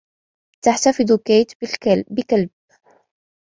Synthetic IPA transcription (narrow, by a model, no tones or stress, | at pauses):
t̪aħt̪afɪd̪ˤukeːt̪bɪkalb̚